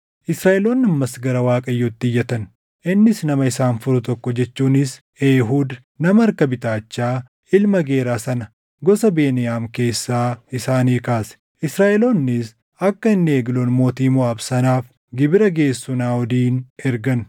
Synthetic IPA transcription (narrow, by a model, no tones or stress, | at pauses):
ʔɪsɾaːʔɛloːnːɐmmːɐsɡɐɾɐwaːkʼɐjːoːt̪ːɪɪjːɐt̪ɐn | ʔɪnːɪsnɐmɐɪsaːnfʊɾʊt̪ɔkːɔd͡ʒɛt͡ʃːuːnɪs | eːɦuːd̪ | nɐmɐːɾkɐbɪt̪aːt͡ʃːaː | ɪlmɐɡe̞ːɾaːsɐnɐ | ɡɔsɐbe̞ːnɪjaːmke̞ːsːaːɪsaːniːkaːsɛ̥ | ʔɪsɾaːʔɛloːnːɪs | ɐkːɐɪnːeːɡloːnmo̞ːt̪iːmʊɐbsɐnaːf | ɡɪbɪɾɐɡe̞ːsːʊnaːɔd̪iːnɛɾɡɐn